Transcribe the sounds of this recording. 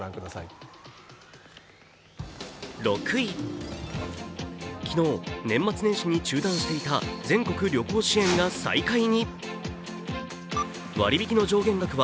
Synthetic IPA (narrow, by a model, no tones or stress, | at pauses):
ɾãŋkɯd̪asai | ɾo̞kɯ̟i | kʲino̞ːnẽ̞mːat͡sɨnẽ̞ɕiɲ̟it͡ɕɨːd̪ãɰ̃ɕi̥t̪e̞it̪ad͡zẽ̞ŋko̞kɯ̟ɾʲo̞ko̞ːɕiẽ̞ŋɡasa̰ikaiɲ̟i | βa̰ɾʲibʲikʲino̞d͡ʑo̞ːɡẽ̞ŋɡakɯ̟βa